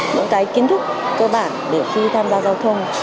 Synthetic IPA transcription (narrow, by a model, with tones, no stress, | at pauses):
ɲɨ̰˧˥ŋkaː˨˦jki˨˦nt̪ʰɨ˦˥k̚ːəː˧ɓa̰ː˧˨nɗe˧˩xi˧t̪ʰaː˧mzaː˧˩zaː˧wt̪ʰə˧wŋ͡m